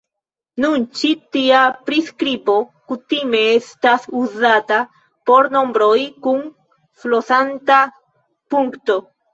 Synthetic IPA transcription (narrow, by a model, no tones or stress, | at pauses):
nunt͡ʃitiapɾiskɾipo̞kutime̞estasuzata | po̞ɾno̞mbɾojkun | flosanta | puŋkto̞